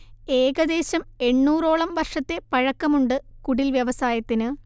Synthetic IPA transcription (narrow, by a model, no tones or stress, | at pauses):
e̞ːɡɐd̪e̞ːɕɐme̞ɳːuːro̞ːɭɐmʋɐrʂɐt̪ːe̞pɐɻɐkːɐmuɳɖɨkuɽilʋjɐʋɐsaːjɐt̪ːinɨ